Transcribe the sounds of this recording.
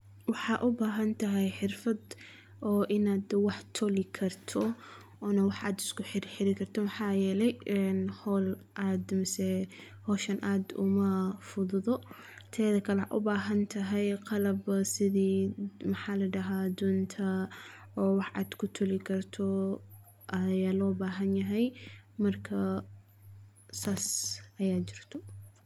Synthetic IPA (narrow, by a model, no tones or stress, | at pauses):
wɑħɑːʔʊbaːɦɐnt̪ʰɐɦɛjħɪrfɐd̪ | ʔɔːʔɪnaːd̪wɑħt̪ʰɔlɪkʰɐrt̪ʰɔ | ɔːnɐwɑħaːd̪ɪskʊħɪɾħɪɾɪkʰɐrt̪ʰɔmɐħɑːjɛːlɛjɛnhɔl | ʔaːd̪mɐsɛ | hɔːʃɐnʔaːd̪ʊ̰mɐfʊðʊðɔ | t̪ʰɛːðɐkʰɐlɛʔʊbaːɦɐnt̪ʰɐɦɛjqɑlɐbsɪðiːmɐħaːlɐɖɐɦaːd̪ɔːnt̪ʰɐ | ɔːwɑħɑ̰ːd̪̥kʰʊt̪ʰʊlɪkʰɐrt̪ʰɔ | ʔɐjaːlɔːbaːɦɐnjɐɦɛjmɐrkʰɐ | saːsʔɐjaːt͡ʃɪr̥t̪ʰɔ